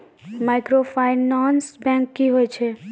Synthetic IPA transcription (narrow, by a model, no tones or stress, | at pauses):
maɪkɾopʰaɪnãːnsbɛ̃ːŋkːiɦoːet͡ʃʰe